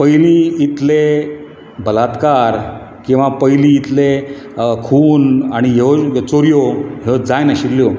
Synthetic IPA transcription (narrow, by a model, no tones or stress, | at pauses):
pəjliit̪le | bəlat̪kaɾ | kĩw̃ʋapəjliit̪le | kʰuːnaɽ̃iɦet͡soɾjoɦed͡zajnaɕiɾlːjɔ